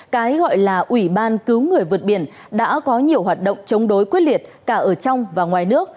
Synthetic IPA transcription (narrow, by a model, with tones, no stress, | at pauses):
kaː˨˦jɣɔ̰˧˨jlaː˨˩ʔwi˧˩ɓaː˧nkɨ˨˦wŋɨ˨˩əjvɨ˨˩t̚ɓi˧˩ən | ɗa̰ː˧˥kɔ˨˦ɲi˨˩əwɦwaː˨˩t̚ɗo̰˧˨wŋ͡mt͡ɕə˨˦wŋ͡mɗo˨˦jkwi˦˥t̚li˨˩ət̚kaː˧˩ʔəː˧˩t͡ɕɔ˧wŋ͡mvaː˨˩ŋwaː˨˩jnɨ˦˥ək̚